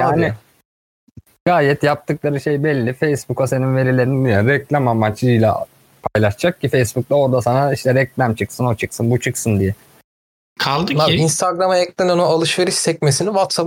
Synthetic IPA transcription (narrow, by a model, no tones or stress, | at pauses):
jaːni | ɡ̥aːjɛt̪jap̚t̪ʰɯklˠaɾɯʃejbɛlʲːifejsbukase̞ninve̞ɾilʲe̞ɾind̪jaɾɛclʲæmamːat͡ʃlˠɯjlʲˠa̰ | pʰajlˠaʃd͡ʒak̚cifejsbuk̚t̪ˠao̞ɾd̪asanaiʃt̪ʰɛɾɛclʲæmt͡ʃʰɯksɯno̞t͡ʃʰɯksɯnbut͡ʃʰɯksɯnd̪ijɛ | kʰalˠd̪ɯainst̪ʰaɡɾamɯɛclʲɛnonualˠɯʃve̞ɾiʃsɛc̚mesinivat̪sap